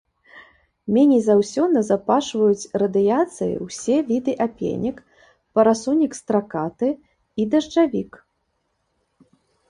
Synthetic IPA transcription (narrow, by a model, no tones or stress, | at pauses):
mʲɛnʲɛjzawsʲɔnɐzapaʂvɐjut͡sʲrɐd̪ɨjat̪sɨjḭwsʲɛvʲid̪ɨʔapʲḛnʲik | pɐɾasunʲikst̪ɾakat̪ɨ | id̪ɐʐt͡ʂavʲik